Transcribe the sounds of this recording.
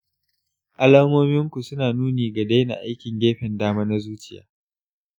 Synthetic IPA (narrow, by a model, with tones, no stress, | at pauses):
ʔa˦laː˦moː˦mɪ˦ŋkʷu˨sʊ˦naː˨nuː˦neː˨ɡɐ˨da˦jna̰˨ʔa˦jkʲɪ˨ŋɡʲeː˦ɸɪ˨ndaː˦maː˦na˦zuː˦t͡ʃɪ̥˨ja̰ː˨˦